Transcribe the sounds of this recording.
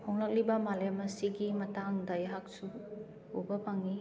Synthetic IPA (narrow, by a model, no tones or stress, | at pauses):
hoŋlɐk̚libɐmalemɐsiɡimɐtaŋdɐjaɦak̚su | ubɐpaŋi